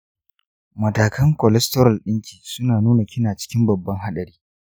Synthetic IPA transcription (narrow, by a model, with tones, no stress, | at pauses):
mɐ˨taː˨kɐ˦ŋkɔ˨lɛ˦stɔ˦ɾɐ˨lɗɪ˦ŋkʲiː˨sʊ˦naː˨nuː˦na˨kʲɪ˦naː˨t͡ʃɪ̥˦kʲɪ˦mbɐ˨bːɐ˦ŋɦa˦ɗɐ˨ɾiː˦